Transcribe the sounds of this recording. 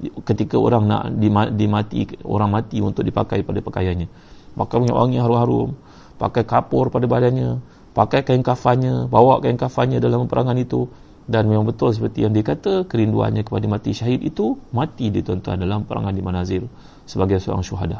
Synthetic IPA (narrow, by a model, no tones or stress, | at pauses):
kət̪ikao̰ɾaŋna̰ʔdimadimat̪ḭo̰ɾaŋmãt̪iṵnt̪ʊk̚dipa̰kajpadapəkajanɲa | makaməɲa̰wʔa̰ŋiɦaɾʊmɦaɾʊ̰m | pa̰kajkapʊrpadabadanɲã | pakajkajəŋkafaɲabawaʔkajəŋkafanɲadalaməpəɾʔaŋanit̪u | danmemãŋbət̪ʊls̬əpərt̪ijaŋdiəkat̪əkəɾindua̰nɲãkə̥padamãt̪iʃaɦɪt̪it̪umãt̪idit̪ɔnt̪ua̰ndalampəɾa̰ŋandimanazɪr | səbaɡajsəo̰ɾa̰ŋʃuɦa̰da